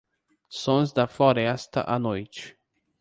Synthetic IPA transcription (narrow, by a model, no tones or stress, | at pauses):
sõzd̪ɐfloɾɛst̪ɐ̰ʔɐnojt͡ʃɪ̥